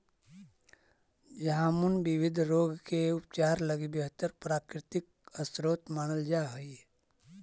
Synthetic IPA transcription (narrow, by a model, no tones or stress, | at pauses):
jɐɦãmʊnbɪʋɪd̪ʱɾoːɡkeʊp̚t͡ʃaːɾləɡibjəɦt̪əɾpɾaːkɾɪt̪ɪk̚ | əsɾoːt̪maːñəld͡ʒaːɦoi